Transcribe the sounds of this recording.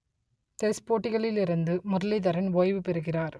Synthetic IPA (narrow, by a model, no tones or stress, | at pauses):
t̪espoːʈːɪɣɐɭɪlɪɾɯnd̪ɯmʊɾɐlɪðɐɾɐnʋoːjʋɯpɛɾɯɣɪraːɾ